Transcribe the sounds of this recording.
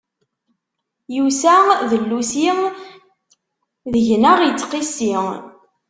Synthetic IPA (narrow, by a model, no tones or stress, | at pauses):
jusæðəlːusi | ðəʝnəʁjət͡sːqisiŋ